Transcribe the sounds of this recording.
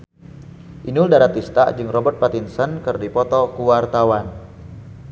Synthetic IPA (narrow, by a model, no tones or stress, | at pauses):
ʔinuldaɾat̪ist̪a̰d͡ʒɨŋrɔbət̪̚pat̪insənkɨrdipɔt̪ɔkuwart̪awan